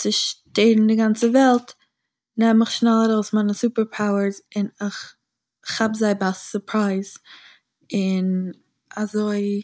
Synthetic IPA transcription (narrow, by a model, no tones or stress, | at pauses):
t͡sɪʃteɪdn̩dɪɡant͡səvɛlˠt | nɛmmɪχʃnɛlˠəɾoʊsmaɪnəsupəɾpʰaʊəɹzɪnɪχ | habzaɪbassʊpʰɾaɪz̥ | ɪn | azoɪ